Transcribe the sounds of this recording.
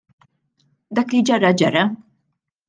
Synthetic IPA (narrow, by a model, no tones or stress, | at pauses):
d̪ɐːklid͡ʒɐrːɐd͡ʒɐrːɐ